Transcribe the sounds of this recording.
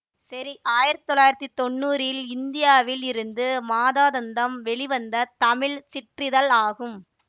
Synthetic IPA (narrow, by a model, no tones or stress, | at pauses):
sɐɾiʔaːjɪɾɐt̪ːɪ̥t̪ɔlːaːjɪɾɐt̪ːit̪ːɔɳːuːɾɪlɪnd̪ɪjaːʋɪlɪɾɯnd̪ɯmaːðaːðɐnd̪ɐmʋɛɭɪʋɐnd̪ɐt̪ɐmɪɭsɪʈrɪðɐlaːɣɯm